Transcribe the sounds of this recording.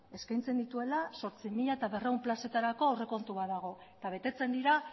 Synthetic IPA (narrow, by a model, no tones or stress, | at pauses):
e̞skajnt͡se̞nd̪it̪ue̞laso̞ɾt͡simiʎaet̪aβe̞reumplase̞t̪aɾako̞ore̞ko̞nt̪uβaðaɣ̞o̞et̪aβ̞e̞t̪e̞t͡se̞nd̪iɾa